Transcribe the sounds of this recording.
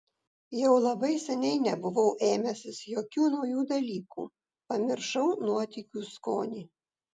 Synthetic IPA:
jɛʊlˠɐbɐɪsʲɛnʲɛɪnʲɛbʊʋɐʊʔeːmʲɛsʲɪsjoːkʲuːnɒʊjuːd̪ɐlʲiːkṵː | pɐmʲɪɾʃɐʊnuɔt̪ʲikʲuːskoːnʲiː

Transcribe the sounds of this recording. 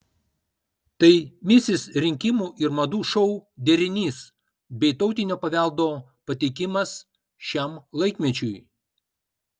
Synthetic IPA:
t̪ɐɪmʲɪsʲɪsɾʲɪŋʲkʲɪmuːʔɪɾmɐd̪uːʃɔʊd̪ʲɛɾʲɪnʲiːs | bʲɛɪt̪ɒʊt̪ʲɪnʲoːpɐʋʲæˑlˠd̪oː | pɐt̪ʲɛɪkʲɪmɐs | ʃʲɛˑmlˠɐɪkmʲɛt͡ʃʲʊj

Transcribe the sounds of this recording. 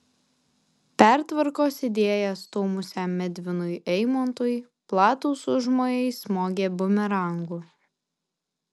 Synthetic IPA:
pʲæˑɾt̪ʋɐɾkoːsɪd̪ʲeːjɛst̪oːmʊsʲæmmʲɛd̪ʲʋʲɪnʊɪʔɛɪmɔnt̪uːj | plˠɑːt̪uːsʊʒmoːjɛɪsmoːɡʲeːbʊmʲɛɾɐˑŋɡuː

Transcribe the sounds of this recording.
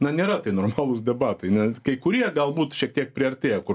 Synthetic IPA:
nɐnʲeːɾɐt̪ɐɪnoːrmɑːlˠʊsd̪ʲɛbɑːt̪ɐɪnʲɛkɐɪkʊɾʲiɛɡɐlˠbuːt̪ʃʲiɛk̚t̪ʲiɛk̚pʲɾʲɪɐɾʲtʲeːjɛkʊ

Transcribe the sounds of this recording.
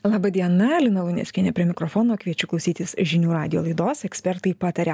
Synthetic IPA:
lˠɑːbɐd̪ʲiɛnɐlʲɪnɐlˠʊnʲɛ̰sʲkʲɪnʲɛpʲɾʲiɛmʲɪkɾofoːnoːkʋʲiɛt͡ʃʲʊklˠɐʊsʲiːt̪ʲɪsʒʲɪnʲuːɾɑːd̪ʲɪjoːlˠɐɪd̪oːsɛksʲpʲɛɾt̪ɐɪpɑːt̪ɐɾʲɛ

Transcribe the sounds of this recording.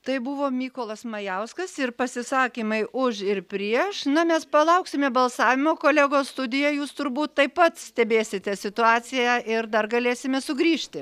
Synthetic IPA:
t̪ɐɪbʊʋoːmʲiːkoːlˠɐsmɐjɛʊskɐsɪrpɐsʲɪsɑːkʲiːmɐɪʔʊʃɪrpʲɾʲiɛʃnɐmʲɛspɐlˠɐʊksʲɪmʲɛbɐlˠsɑːʋʲɪmoːkoːlʲæːɡoːsst̪ʊd̪ʲɪjɛjuːst̪ʊɾbuːt̪tɐɪppɐt̪sʲt̪ʲɛbʲeːsʲɪt̪ʲɛsʲɪt̪ʊɑːt͡sʲɪjæʔɪɾd̪ɐrɡɐlʲeːsʲɪmʲɛsʊɡɾʲiːʃʲt̪ʲɪ

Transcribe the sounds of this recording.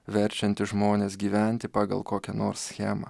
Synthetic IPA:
ʋʲɛɾʲˑt͡ʃʲɛnʲt̪ʲɪʒmoːnʲeːsɡʲiːʋʲæˑnʲt̪ʲɪpɑːɡɐ̰lˠkoːkʲɛnoːɾssʲxʲæːmɑ̰

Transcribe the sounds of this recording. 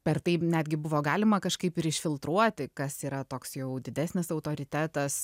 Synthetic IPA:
pʲɛrt̪ɐɪnʲæːd̪ʲɡʲɪbʊʋoːɡɑːlʲɪmɐkɐʃkɐɪpɪɾɪʃʲfʲɪlˠt̪ɾuɔt̪ʲɪkɐsiːɾɐt̪oːksjɛʊd̪ʲɪd̪ʲæːsʲnʲɪsɐʊt̪oːɾʲɪt̪ʲæːt̪ɐs

